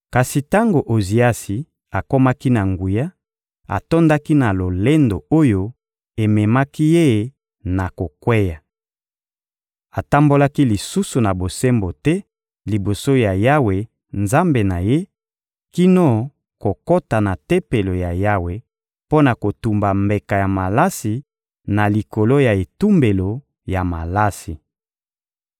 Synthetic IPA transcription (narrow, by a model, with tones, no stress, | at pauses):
ka˨si˨ta˦ŋɡo˨ʔo˨zi˨a˦si˨ | a˨ko˦ma˦ki˦na˨ŋɡu˨ja˦ | a̰˨to˦nda˦ki˦na˨lo˨le˦ndo˨o˦jo˦ | e˨mɛ˨ma˦ki˦je˦˨ | na˨ko˨kwe˦ja˨ | a˨ta˦mbo˦la˦ki˦li˨su˦su˨na˨bo˨se˦mbo˨tɛ˦ | li˨bo˨so˦ja˨ja˦we˨ | nza˦mbe˨na˨je˦ | ki˦no˦˨ | ko˨ko˦ta˨na˨te˦pe˨lo˨ja˨ja˦we˨ | po˦na˨ko˨tu˨mba˨mbe˨ka˨ja˨ma˨la˦si˨ | na˨li˨ko˨lo˦ja˨e˨tu˦mbe˨lo˨ | ja˨ma̰˨la˦si˨